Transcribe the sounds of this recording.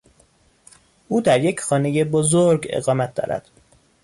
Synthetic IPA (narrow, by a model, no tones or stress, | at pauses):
ʔuːd̪æɾjecʰxɒːne̞jebozoɾɡḛɣɒːmæt̪̚ʰd̪ɒ̰ːɾæ̰d̪̥